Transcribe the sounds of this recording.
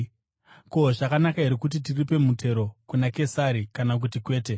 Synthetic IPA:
ko̞ʐakanakaɦeɾikut̬itiripe̞mutʰe̞ɾo̞kunake̞saɾikanak̬utikwe̞ːte̞

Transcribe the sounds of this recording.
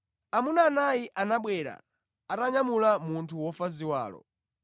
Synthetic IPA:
amunaːnajiʔanaɓwɛɾa̰ | ataɲamulamuntʰuwɔfaziwa̰ːlɔ̰

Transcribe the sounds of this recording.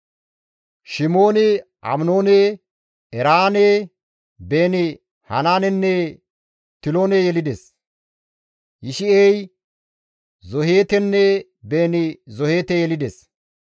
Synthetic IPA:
ʃɪmo̞ːnɪ | ʔɐ̰mno̞ːne | ɛɾaːne | beːnɪ | hɐ̰naːnɛnːɛ | t̪ɪloːnejɛlɪd̪es | jɪʃɪɛj | zɔɦeːt̪ɛnːɛ | be̞ːnɪzɔhe̞ːt̪ɛjɛlɪd̪ɛs

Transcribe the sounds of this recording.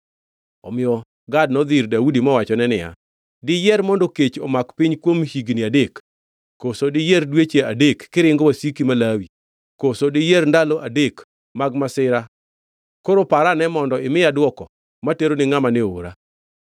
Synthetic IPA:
ɔmɪjɔ | ɡad̚nɔd̪ɪrdaudimɔwat͡ʃɔnɛnɪja̰ | dɪjɛɾmɔndoket͡ʃɔ̰makpiɲkwomhiɡnɪadekː | osodɪjɛrdwet͡ʃeadekːɪɾɪŋɡowasikimalawi | kosodɪjɛrndalɔʔadek | maɡmasɪɾa | koɾopaɾanɛmɔndɔɪmɪadwɔkɔ | mateɾonɪŋamaneoɾa̰

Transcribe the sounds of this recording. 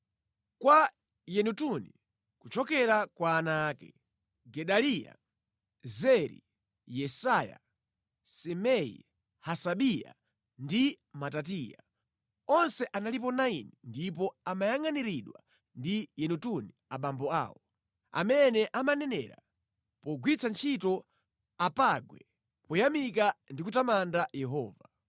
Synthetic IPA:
kwa | jɛnutuni | kut͡ʃɔkɛɾakwaːnaːkɛ | ɡɛɗalija̰ | zɛɾḭ | jɛsaja̰ | sɛmɛḭ | hasaɓija̰ | ndi | matatija̰ | ɔnsɛʔanalip̬ɔnainindip̬ɔamajaŋaniɾiɗwa̰ | ndijɛnutuniaɓambɔa̰ːwɔ | a̰mɛnɛʔamanɛnɛ̰ɾa̰ | pɔɡwiɾit͡sʰant͡ʃʰitɔ | apaɡwɛ̰ | pɔjamikandikutamandajɛɦɔːva

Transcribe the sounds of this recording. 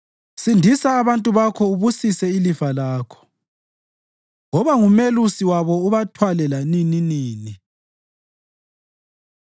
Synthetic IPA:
sindʱisaːβantʼuβakʰɔuβusisɛilifalaːkʰɔ̥ | ŋɔβaŋumelusiwaβɔuβatʰwalɛlanininiːni

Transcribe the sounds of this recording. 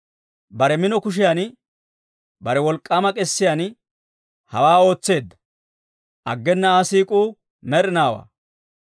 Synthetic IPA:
bɐɾɛmɪnɔkʊʃ̬ɪjan | bɐɾɛwɔlkʼːaːmɐkʼɛsːɪjaːn | hɐ̰waːo̞ːt͡sːe̞ːd̪ːɐ̥ | ʔɐɡːɛnːɐaːsiːkʼuː | mɛɾɪnaːwa̰ː

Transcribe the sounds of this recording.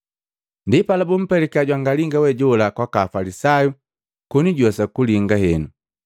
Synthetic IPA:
ndipalabum̩pɛlɛkiaɟwaŋɡaliŋɡawɛɟɔlakwakaːfalisaju | kuniɟɔsakuliŋɡahɛnu

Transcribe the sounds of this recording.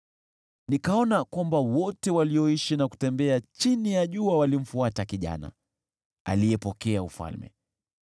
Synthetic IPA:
nikaɔnakwambawɔtɛwaliɔiʃinaku̥tɛmbɛat͡ʃinijaʄuawalim̩fuatakiʄa̰na̰ | a̰lijɛpɔkɛaufa̰lmɛ̰

